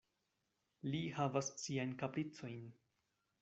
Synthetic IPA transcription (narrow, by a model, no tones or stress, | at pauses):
lihavasːiajnkapɾit͡so̞jn